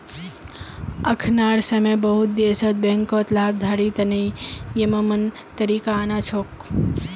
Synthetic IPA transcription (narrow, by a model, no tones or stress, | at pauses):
əkʰnaːɽsɐmebəɦut̪̚d̪esət̪̚bẽŋkot̪laːb̚d̪ʱaːɽit̪ɐnəjjemɐmɐn | t̪əɾiːkaːnat͡ʃʰoːk